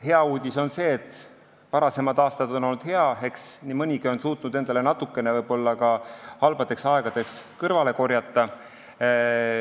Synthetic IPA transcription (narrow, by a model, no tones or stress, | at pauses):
he̞ɑuːd̪̥ʲiso̞nse̞ːt̪ːˑ | vɑɾɑse̞mɑd̪̥ɑːst̪ɑd̪̥o̞no̞lnːud̪̥he̞ɑe̞ksnimɤnʲiɡio̞nsuːt̪ˑnud̪̥e̞nd̪̥ɑle̞nɑt̪ːˑukːˑe̞nevɤjb̥o̞lːɑkɑhɑlb̥ɑd̪̥e̞ksɑe̞ɡ̥ɑd̪̥e̞kskɤrvɑle̞ko̞ɾjɑt̪ːˑɑ